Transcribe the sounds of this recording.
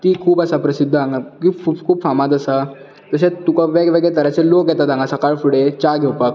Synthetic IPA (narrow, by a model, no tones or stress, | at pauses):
kikʰuːbəsapɾəsid̪ʱːãŋɡakiukʰuːbfamad̪əsa | t̪əsẽt̪ukaʋeɡʋeɡet̪əɾat͡selokɛt̪at̪ãŋɡasɐkaɭfuɽet͡ɕaɡʱewpək̚